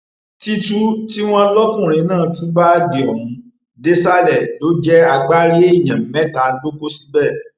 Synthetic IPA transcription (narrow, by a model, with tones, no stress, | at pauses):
ti˦tu˦ti˦w̃ɔ̃˦lɔ˦kũ˦˨ɾ̃ĩ˨˦nãː˦˨tũ˦ba˦ɡi˨ɔ˨ɾũ˨˦ | de˦sa˦lɛ˨lo˨˦d͡ʒɛ˦a˧ɡ͡ba˦ɾi˦e˦˨j̃ã˨m̩˨mɛ̃˦ta˨˦ɡ͡bo˦po˦si̥˦bɛ˦˨